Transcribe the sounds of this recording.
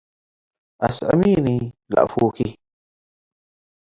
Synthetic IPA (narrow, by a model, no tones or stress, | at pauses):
ʔa̰sa̰minila̰ʔfuːki